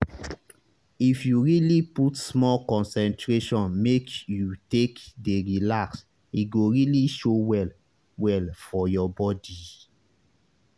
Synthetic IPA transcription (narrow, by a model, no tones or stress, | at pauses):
ifjuɹiliputsmɔlkɔ̃nsɛ̃ntɹeʃɔ̃nmekjutekdeɹilaks | iɡoɹiliʃowɛl | wɛlfɔjɔbɔdi